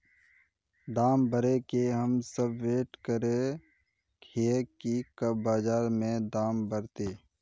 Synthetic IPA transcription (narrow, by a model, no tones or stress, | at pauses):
d̪aːmbəɾekeɦəmsəbːeːʈkəɾe | kʰeːkikəbaːd͡ʒaːɾmẽd̪aːmbəɾt̪eː